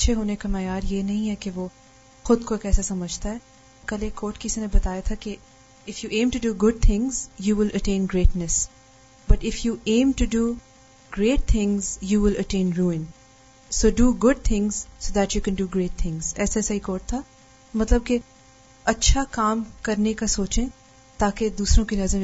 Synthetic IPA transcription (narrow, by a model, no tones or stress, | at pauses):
tːʃʰeɦoːnekamɛːjaːɾjenɐɦĩɦɛkeʋoː | xʊd̪kokɛːsesɐməd͡ʒʱt̪aɦɛː | kɐlekoːʈkɪsinẽbɐt̪aːjat̪ʰake | ɪfjuːʔẽːmʈuɖuːɡʊɖ̚t̪ʰɪ̃ŋzjuːʋɪləʈẽːnɡɾeːʈnəs | bɐʈɪfjuːẽːmʈuɖuː | ɡɾeːʈ̚t̪ʰɪ̃ŋzjuːʋɪləʈẽːnɾuːɪ̃n | soːɖuːɡʊɖ̚t̪ʰɪ̃ŋz̥soːd̪æʈjuːkɛ̃nɖuːɡɾeːʈ̚t̪ʰɪ̃ŋz̥ɛːsasaikoːʈ̚t̪ʰa | mɐt̪ləb̚ke | ɐtːʃʰakaːmkɐɾnekasoːt͡ʃẽ | t̪aːked̪uːsɾõkinɐzɾ